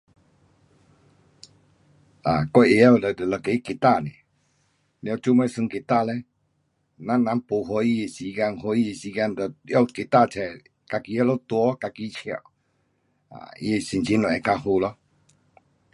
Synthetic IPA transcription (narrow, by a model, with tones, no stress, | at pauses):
a˨kwa˧˨ʔe˧˦ja˦˧˨lə˨də˨lke˨˦i˦ke˨˩t̪a˥˧˨nḛ̃˨ | l̃a˧˨t͡ɕu˦mɛ̃˧˦˨sɨ˧ŋke˨˩t̪a˥˧˨lɛ˦ | nã˦nã˨˦po˨ɦɔ˧i˧e˧si˧ka˧nhɔ˧˦i˧e˧˨si˧ka˧nd̪ja˧˨ke˨˩t̪a˥˧˨t͡sʰɛ˨ | ka˧ki˧˦ja˦lɔ˦t̪wɔ˧˦ka˧ki˦t͡ɕʰja̰˨˩˨ | a̰˨ḭ˧e˨˧si˨nt͡ɕi˧˦nlɔ˨ɛ˨˧˨ka˧ɦu˧lɔ˦